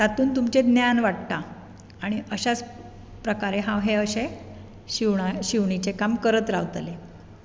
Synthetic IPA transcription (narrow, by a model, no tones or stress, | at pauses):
t̪at̪uːnt̪umt͡ɕed̪njanʋaʈt̪aː | ɽ̃iʔəɕat͡s | pɾəkaɾeɦãwɦeəɕe | ɕiʋɳaɕiʋɳit͡sekamkəɾət̪ɾaʋt̪le